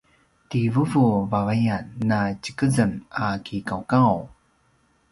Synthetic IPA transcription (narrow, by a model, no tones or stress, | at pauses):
tivuvuvavajanːat͡ɕə̥kəzənakikawkaw